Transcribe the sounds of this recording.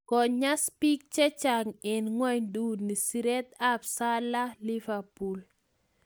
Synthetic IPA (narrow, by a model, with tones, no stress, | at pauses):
kɔ˨ɲa˦spi˦k̚t͡ʃɛ˦t͡ʃaŋɪ˨nŋwɛ˦ɲdu˦ni˨si˨ɾɛt̪a˦psa˦la˦liva˨pu˨l